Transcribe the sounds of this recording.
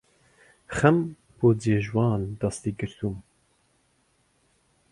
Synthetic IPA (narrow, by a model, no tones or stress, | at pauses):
xɛm | pʰoːdeːʒwɑːnd̪ɑst̪iːɡɨɾt̪ʰum